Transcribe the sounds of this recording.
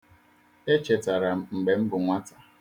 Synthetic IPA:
e˦t͡ʃe˨ta˨ɾa˨ŋ͡m̩˨ɡ͡be˨m̩˦bʊ˨ŋʷa˦ta˨

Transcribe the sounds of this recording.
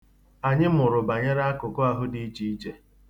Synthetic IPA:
a˨ɲɪ˦mʊ˨ɾʊ˨ba˨ɲa˦ɾa˦a˦kʊ˨ko˦a˨ɦʊ˦di˦i˦t͡ʃi˦i˦t͡ʃe˦

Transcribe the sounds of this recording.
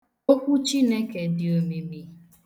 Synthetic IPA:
o˦kʷu˦t͡ʃi˦ne˦ke˨dɪ˨o˨mi˨mi˨

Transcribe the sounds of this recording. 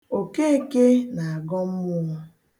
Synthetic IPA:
o˨ke˦e˦ke˦na˨a˨ɡɔ˦m̩˦mʊ˦

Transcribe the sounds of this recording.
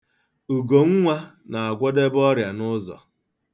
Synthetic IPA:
u˨ɡo˨ŋ̩˦ŋʷa˦na˨a˨ɡʷɔ˦de˦bɔ˦ɾja˨nʊ˦zɔ̰˨

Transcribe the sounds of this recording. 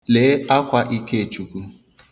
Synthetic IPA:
le˨˦a˦kʷa˦ʔi˦ke˦e˨t͡ʃu˨ku˦

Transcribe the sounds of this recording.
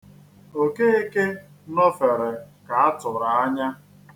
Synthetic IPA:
o˨ke˦e˦ke˦ | nɔ˦fe˨ɾe˨ka˨a˦tʊ˨ɾa˨a˦ɲa˦

